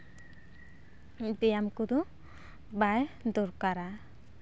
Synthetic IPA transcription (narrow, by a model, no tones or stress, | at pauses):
bijamkud̪u | bajd̪uɾkaɾa